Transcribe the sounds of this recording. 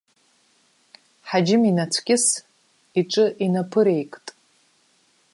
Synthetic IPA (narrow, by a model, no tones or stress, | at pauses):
ħad͡ʒɪminat͡sʷʰkʲʼɪs | iʈ͡ʂʼɨʔinapʰɨɾe̞jkʼtʼ